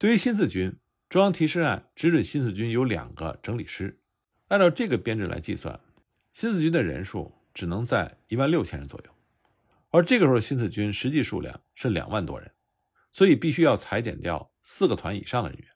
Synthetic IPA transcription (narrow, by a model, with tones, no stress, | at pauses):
t̪we˥˩ɪɥy˧˥ɕi˥nt͡sʰɹ̩˥˩t͡ɕy˥n | ʈ͡ʂʊ˥ŋjɑ˥ŋt̪ʰi˧˥ʂɻ̩˥˧a˥˩nʈ͡ʂɻ̩˥ɻə˨˩nɕi˥nt͡sʰɹ̩˥˩t͡ɕy˥njo˧˥ʊljɑ̰˨˩ŋɡə̰˦ʈ͡ʂɤ˧˥ŋli˨˩ʂɻ̩˥ | la˥˧ɪt̪ɑ˥˧ʊʈ͡ʂɤ˥˩ɡə˩pjɛ˥nʈ͡ʂɻ̩˥˩lʔa̰˧˥ɪt͡ɕḭ˥˧swa̰˥˩n | ɕi˥nt͡sɹ̩˥˩t͡ɕy˥nd̪ə˨ɻə̰˧˥nʂṵ˥˩ | ʈ͡ʂɻ̩˨˩nɤ˧˥ŋt͡sa˥˩ɪi˧˥wa˥˧nljo˥˩ʊt͡ɕʰɛ˥nɻə˧˥nt͡swɔ̰˨˩jo̰˥˩ʊ | ə˞˧˥ʈ͡ʂɤ˥˩ɡə˩ʂɻɕi˥nt͡sʰɹ̩˥˩t͡ɕy˥nʂɻ̩˧˥t͡ɕi˥˧ʂṵ˥˧ljɑ̰˥˩ŋʂɻ̩˥˩ljɑ̰˨˩ŋwa˥˩nt̪wɔ̰˥ɻə̰˧˥n | swɔ˧˥i˨˩pi˥˩ɕy˥jɑ˥˩ʊt͡sʰa˧˥ɪt͡ɕ̪jɛ̰˨˩nt̪jɑ̰˥˧ʊ | sɹ̩˥˩ɡə˩t̪ʰwa˧˥nḭ˨˩ʂɑ˥˩ŋd̪ə̰˩ɻə̰˧˥nɥɛ̰˧˥n